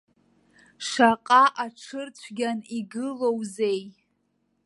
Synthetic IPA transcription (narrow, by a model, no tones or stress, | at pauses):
ʂaqʼaʔaʈ͡ʂʰɨrt͡ɕʷʰɡʲaniɡɨlowzej